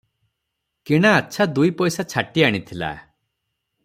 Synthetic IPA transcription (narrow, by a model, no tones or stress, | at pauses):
kiɽ̃aːt͡ʃʰad̪ujpɔjsat͡ʃʰaʈiaɽ̃it̪ʰila̰